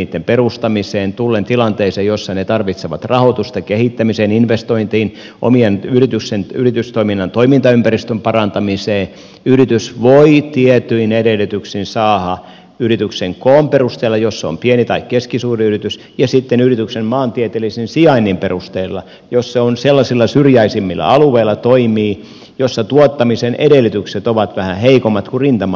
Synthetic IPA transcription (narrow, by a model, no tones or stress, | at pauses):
iːt̪ːemperust̪ɑmiseːnt̪ulːent̪ilɑnt̪eisejosːɑnet̪ɑrʋit̪seʋɑ̰t̪rɑhot̪ust̪ɑkehit̪ːæmiseːninʋest̪oint̪iːn | ʔo̰mienyrit̪yksenyrit̪yst̪oiminːɑnt̪oimint̪ɑympærist̪ømpɑrɑnt̪ɑmiseː | yrit̪ysʋoit̪iɛt̪yinedelːˑyt̪yksinsɑːhɑ | yrit̪ykseŋkoːmperust̪eːlːɑjosːeo̰mpienit̪ɑikkeskisuːriyrit̪ys | jɑsit̪ːenyrit̪yksemmɑːnt̪iet̪elːˑisinsiɑinːimperust̪eilːɑ̰ | josseonselːɑsilːɑsyrjæisimːilːæ̰ɑluʋeilːˑɑt̪oimiː | josːɑt̪uot̪ːɑmisenʔedelːˑit̪ykset̪oʋɑt̪ʋæhæheikomːɑt̪kurint̪ɑm